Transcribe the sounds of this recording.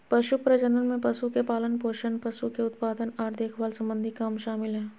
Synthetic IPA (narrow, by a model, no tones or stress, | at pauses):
pɐʃupɾəd͡ʒənənmẽpɐʃukepaːlənpoːʃənpɐʃukeʊt̪̚paːd̪ənaːɾd̪ʱeːkʰʋaːlsɐ̃mbə̃nd̪ʱikamʃaːmɪlɦɛː